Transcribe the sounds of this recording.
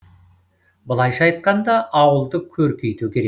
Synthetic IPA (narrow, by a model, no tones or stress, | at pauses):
bəlˠɑjʃɑɑjt̪̚qɑnd̪ɑʔɑwəlˠd̪əkʲʰɵɾkʲʰejt̪ukʲʰe̞e